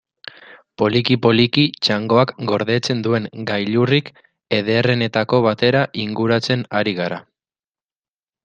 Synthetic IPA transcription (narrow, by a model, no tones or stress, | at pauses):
po̞likipo̞likit͡ʃaŋɡo̞akɡo̞ɾðe̞t͡se̞nd̪ue̞ŋɡajʎurik | e̞ð̞eːre̞ne̞t̪ako̞β̞at̪e̞ɾaʔiŋɡuɾat͡se̞naɾiɣaɾa